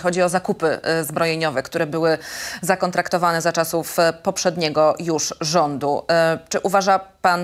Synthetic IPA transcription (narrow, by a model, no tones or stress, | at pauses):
xɔd͡ʑiɔzakupɘ̰zbɾɔjeɲɔvɛkt̪uɾɛbɘwɘzakɔnt̪ɾakt̪ɔvanɛzat͡ʂasufpɔpʂɛd̪ɲɛɡɔjuʂʐɔnd̪ut͡ʂɘʔuvaʐapan